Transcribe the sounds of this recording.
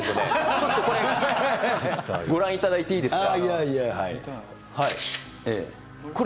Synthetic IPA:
sɨonet͡ɕot̪ːoko̞ɾe | ɡo̞ɾãɰ̃it̪ad̪ait̪e̞iːd̪e̞sɨ̥kaiaiaɦaḭ | hai | ḛː | ko̞

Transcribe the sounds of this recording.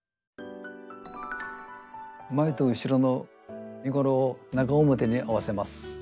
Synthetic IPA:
ɯmaet̪oɯ̟ɕiɾo̞no̞ | mʲiɡo̞ɾo̞ːnaɡaomɯt̪e̞ɲ̟iʔaβase̞masɨ̥

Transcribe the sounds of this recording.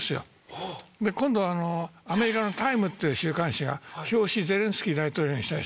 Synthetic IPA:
sɨjo̰ | d̪e̞kõnd̪o̞βaːno̞ame̞ɾʲikano̞t̪aimɯ̟t̪ːejɯ̟ɕɨːkãɰ̃ɕiɡa̰ço̞ːɕize̞ɾẽsɨ̥kʲiːd̪ait̪o̞ːɾʲo̞ːɲiɕit̪aɾʲḭ

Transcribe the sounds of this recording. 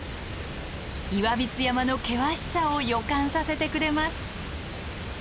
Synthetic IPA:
iβabʲit͡sɨjamano̞ke̞βaɕi̥saojo̞kãɰ̃sase̞t̪e̞kɯ̟ɾe̞masɨ̥

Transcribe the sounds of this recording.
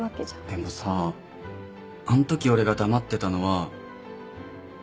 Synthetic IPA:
akːe̥d̪emo̞saː | anot̪o̞kʲio̞ɾe̞ɡad̪amat̪ːe̞t̪ano̞βa

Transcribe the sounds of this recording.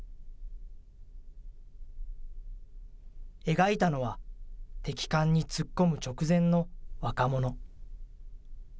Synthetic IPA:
e̞ɡait̪ano̞βat̪e̞kʲi̥kãɲ̟ːit͡sɨkːo̞mɯ̟t͡ɕo̞kɯ̟zẽ̞nnːo̞βakamo̞no̞

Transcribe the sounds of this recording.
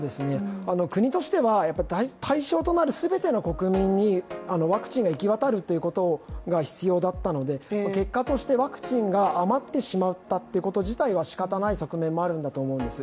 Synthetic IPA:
d̪e̞sɨne̞ano̞kɯ̟ɲ̟it̪o̞ɕi̥t̪e̞βajapːaɾʲit̪ait̪ʰaiɕo̞ːt̪o̞naɾɯ̟sɨbe̞t̪e̞noko̞kɯ̟mʲĩɲ̟ːiano̞βakɯ̟̥t͡ɕĩŋɡaikʲiβat̪aɾɯ̟t̪ːe̞jɯ̟ko̞t̪o̞ɡaçi̥t͡sɨjo̞ːd̪at̪ːano̞d̪e̞make̞kːat̪o̞ɕi̥t̪e̞βakɯ̟̥t͡ɕĩŋɡaːmat̪ːe̞ɕimaɯt̪ːat̪ːe̞jɯ̟ko̞t̪o̞ʑit̪aiβaɕi̥kat̪anaiso̞kɯ̟mẽ̞mːo̞aɾɯ̟̃nd̪at̪oːmo̞ɯ̟̃nd̪e̞sɨ

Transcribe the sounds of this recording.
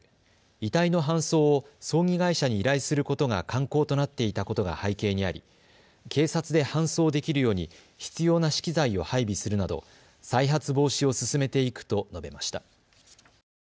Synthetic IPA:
it̪aino̞ɦãɰ̃so̞ːo | so̞ːŋʲiɡaiɕaɲ̟iːɾaisɨɾɯ̟ko̞t̪o̞ɡa̰kʰãŋko̞ːt̪o̞nat̪ːe̞it̪ako̞t̪o̞ɡa̰haike̞ːɲ̟ia̰ɾʲḭ | kʰe̞ːsat͡sɨd̪e̞hãɰ̃so̞ːd̪e̞kʲiɾɯ̟jo̞ːɲ̟i | çi̥t͡sɨjo̞ːnaɕi̥kʲizaio̞̰haibʲisɨɾɯ̟nad̪o̞̰ | saiɦat͡sɨbo̞ːɕio̞sɨsɨme̞t̪e̞ikɯ̟̥t̪o̞no̞be̞maɕi̥t̪a

